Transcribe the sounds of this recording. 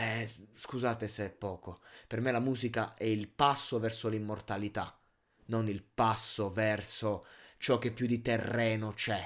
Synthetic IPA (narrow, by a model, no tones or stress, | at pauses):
ɛskuzaːt̪eseɛpːɔːkopermelamuːzikaʔɛilpasːovɛrsolimːort̪alit̪a | nonilpasːovɛrsot͡ʃɔk̟ːepːjud̪it̪erːɛːnot͡ʃɛ